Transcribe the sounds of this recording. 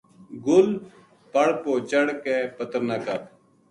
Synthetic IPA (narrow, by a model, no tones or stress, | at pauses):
ɡʊl | pəɽpoːt͡ʃəɽkeːpət̪əɾnakəp